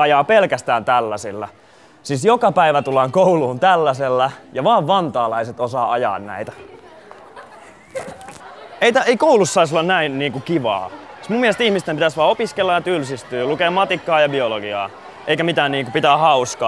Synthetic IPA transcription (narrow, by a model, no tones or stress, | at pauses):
ɑjɑːpelkæst̪æːnt̪ælːæsilːæ | sisjokɑpæiʋæt̪ulːɑŋkouluːnt̪ælːæselːæjɑʋɑːʋʋɑnt̪ɑːlɑiset̪osɑːɑjɑ̰ːnnæ̰it̪æ̥ | eit̪æeikoulusːɑis̬olːɑnnæinniːŋkukiʋɑ̰ːsmumːielest̪ihmist̪empit̪æsʋɑːopiskelːɑjɑt̪ylsist̪yːlukeːmɑt̪ikːɑːjɑbioloɡiɑ̰ː | ʔeikæmit̪æːnniːŋkupit̪æːhɑuskɑː